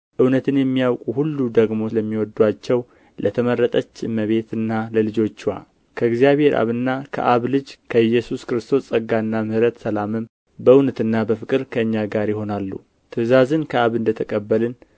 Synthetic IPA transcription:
ʔɨwnət̪ʰɨnjɛmːijawkʼuhulːud̪əɡmo̞ləmːiwɔd̪ːwat͡ʃːɛw | lʔət̪ʰəməɾːət̪ʼət͡ʃːɨmːəβe̞t̪ɨnːaləlɨd͡ʒo̞t͡ʃːwa̰ | kʰəɨɡzijaβhe̞ɾʔa̰βɨnːakʰə̰ʔaβlɨd͡ʒkʰəɨjːɛsuskɨɾɨst̪ʰo̞st͡sʼəɡaɨnːamɨhɾət̪səlamɨm | bəɨwnət̪ɨnːabəfɨkʼɨɾkʰəɨɲːaɡaɾjɪho̞nalːṵ | t̪ʰɨzazɨnkʰəaβɨnd̪ət̪ʰəkʼəbːəlɨn

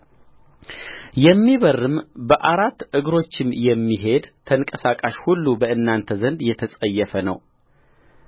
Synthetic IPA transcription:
jɛmːiβərːɨmbəʔaɾat̪ːɨɡɾo̞t͡ʃːɪmjɛmːiɦe̞d̪t̪ʰəŋkʼəsakʼaʃhulːubəɨnːant̪ʰəzənd̪jɛt̪ʰəsʼəjːɛfənə̰w

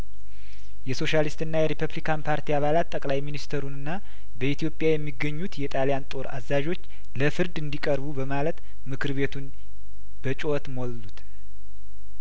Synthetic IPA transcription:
jɛso̞ʃalist̪ɨnːajɛɾipʰəβlikʰanpʰaɾt̪ʰiaβalat̪ːəkʼlajminist̪ʰəɾunɨnːa | bəit̪ʰijo̞pʼjajɛmːiɡːəɲːut̪jɛt̪ʼaljant̪ʼo̞ɾa̰zːaʒo̞t͡ʃː | ləfɨɾd̪ɨnd̪ikʼəɾβubəmalət̪ | mɨkʰɨɾβe̞t̪ʰun | bət͡ʃʼot̪molːut̪

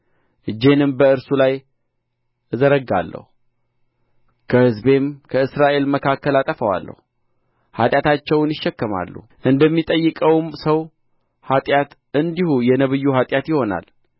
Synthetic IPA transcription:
ʔɨd͡ʒːe̞nɨmbəɨɾsulaj | ɨzəɾəɡa̰lːə̰hu | kʰəhɨzbe̞mkʰəɨsɾaʔe̞lməkʰakːəlat̪ʼəfəwa̰lːə̰hu | hat̪ʼjat̪at͡ʃːɛwnɪʃːɛkːəma̰lːṵ | ʔɨnd̪əmːit̪ʼəjːɨkʼəwmsəw | hat̪ʼjat̪ʔɨnd̪ihujɛnəβɨjːuhat̪ʼjat̪jɪho̞na̰l

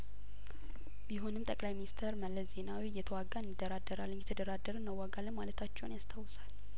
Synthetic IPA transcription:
biɦonɨmt̪ʼəkʼlajminist̪ʰəɾməlːəsze̞nawijɛt̪ʰəwaɡanːɨd̪ːəɾad̪ːəɾalːɨnjɛt̪ʰəd̪əɾad̪əɾɨnməwːaɡalːənmalət̪ʰat͡ʃːɛwnjast̪ʰawsal

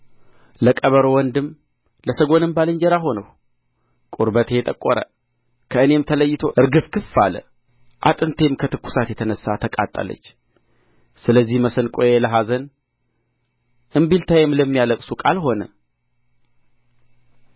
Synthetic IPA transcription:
ləkʼəβəɾowɔnd̪ɨm | ləsəɡo̞nɨmbalɨɲd͡ʒɛɾaɦo̞nəw | kʼuɾbət̪ʰejɛt̪ʼəkʼːoɾə̰ | kʰəɨne̞mt̪ʰələjːɪt̪ʰo̞ʔɨɾɡɨfkʰɨfːalə̰ | ʔa̰t̪ʼɨnt̪ʰe̞mkʰət̪ɨkːu̥sat̪jɛt̪ʰənəsːat̪ʰəkʼa̰t̪ʼːə̰lə̰t͡ʃː | sɨləzːihməsənkʼojeləɦazən | ʔɨmbilt̪ʰajɛmləmːijaləkʼsukʼalɦo̞nə

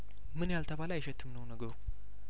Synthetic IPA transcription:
mɨnjalt̪ʰəβaləjɛʃɛt̪ʰːɨmnəwnəɡəɾu

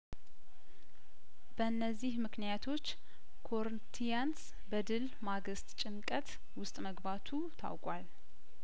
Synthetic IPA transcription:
b̥əɨnːəzːihmɨknijat̪ʰo̞t͡ʃː | kʰo̞ɾɨnt̪ʰijans | bəd̪ɨl | maɡɨst̪ʼt͡ʃʼɪnkʼət̪ | wʊst̪ʼməɡbat̪ʰut̪ʰa̰wkʼwal

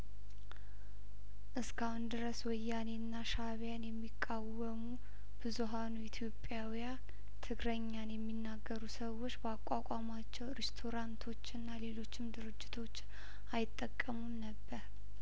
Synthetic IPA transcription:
ʔɨskʰahund̪ɨɾəswɔjːanenːaʃaβjanjɛmːikʼːawəmu | b̥ɨzuɦanuit̪ʰjo̞pʼːjawija | t̪ʰɨɡɾəɲːanjɛmːinːaɡːəɾusəwo̞t͡ʃːbəakʼakʷʼamat͡ʃːɛwɾest̪ʰo̞ɾant̪ʰo̞t͡ʃːɨnːale̞lo̞t͡ʃːɪmd̪ɨɾɨd͡ʒːɪt̪ʰo̞t͡ʃː | ajɪt̪ʼːəkʼːəmumnəbːəɾ

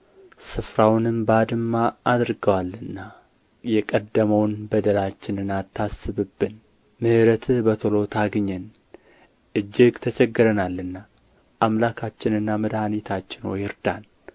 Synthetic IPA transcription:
sɨfɾawnɨmbəad̪ɨmːaːd̪ɾɡəwalːɨnːa | jɛkʼəd̪ːəməwnbəd̪əlat͡ʃːɪnɨnat̪ʰːasːɨβɨbːɨn | mɨhɨɾət̪ʰbət̪ʰolo̞t̪ʰaɡɲːɛn | ʔɨd͡ʒːɪɡt̪ʰət͡ʃɛɡːɨɾənalːɨnːa | ʔamlakʰat͡ʃːɪnɨnːaməd̪hanit̪ʰat͡ʃːɪnwojɪɾd̪an

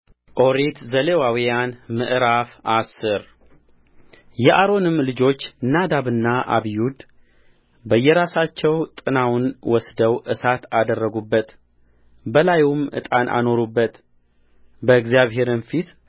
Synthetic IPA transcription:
ʔo̞ɾet̪zəlewawijanmɨʔɨɾafʔasɨɾ | jɛʔaɾo̞nɨmːlɨd͡ʒo̞t͡ʃːnːad̪aβɨnːaʔa̰βijud̪ | bəjːɛɾasat͡ʃːɛwt̪ʼɨnawnwɔsd̪əwʔɨsat̪ad̪ərːəɡubːət̪ | bəlajumɨ̰t̪ʼa̰nʔa̰no̞ɾubːət̪ | bəɨɡzijaβɦe̞ɾɨnfit̪

